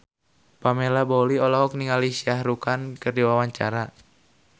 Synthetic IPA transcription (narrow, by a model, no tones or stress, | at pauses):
pamelaboliɔlɔɦɔk̚niŋalisiahɾukankɨrdiwawaɲt͡ʃaɾa